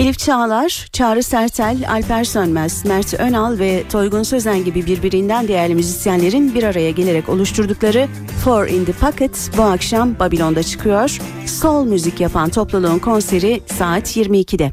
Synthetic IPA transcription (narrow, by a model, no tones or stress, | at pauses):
ilʲipt͡ʃʰaːlˠaɾ̥t͡ʃʰaːɾɯsæɾt̪ʰælʲa̰lʲpæɾsønmɛz̥mæɾt̪ʰønalˠvɛt̪ʰo̞jɡunsø̞zænɟibibiɾbiɾind̪ænd̪e̞jæɾlʲimyzisjænlʲe̞ɾinbiɾaɾajaɟe̞lʲe̞ɾɛco̞̰lˠuʃt̪ʰuɾd̪uklˠaɾɯ | foɾḭnd̪ipʰakɛt̪buakʃambabilʲo̞nd̪at͡ʃʰɯ̥kʰɯjo̞ɾ̥ | skolˠmyzicjapʰant̪ʰo̞plˠalˠuːnkʰo̞nse̞ɾisaːt̪ʰjiɾmiːcʰid̪ɛ